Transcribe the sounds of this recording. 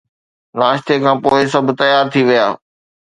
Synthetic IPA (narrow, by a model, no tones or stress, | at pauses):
laːʃt̪ekʰãːpoːɪs̬ɐbʱt̪ɐjaːɾt̪ʰiʋijaː